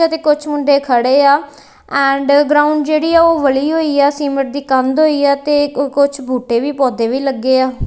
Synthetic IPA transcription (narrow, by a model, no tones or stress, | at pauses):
aːt̪eːkʊt͡ʃʰmʊɳɖeːkʰəɽeːaː | ɛ̃ːɳɖɡɾaːʊ̃ɳɖd͡ʒeːɽiːaːoːʋəliːɦoːiːaːsiːməʈ̚d̪iːkənd̪ɦoːiːaːt̪eːkʊt͡ʃʰbʱuːʈeːʋiːpɔːd̪eːʋiːləɡːeːaː